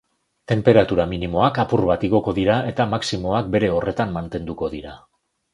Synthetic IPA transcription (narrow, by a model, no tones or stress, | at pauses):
t̪e̞mpe̞ɾat̪uɾaminimo̞akapurβat̪iɣ̞o̞ko̞ðiɾae̞t̪amaksimo̞ak̚be̞ɾe̞o̞re̞t̪ammant̪e̞nd̪uko̞ð̞iɾa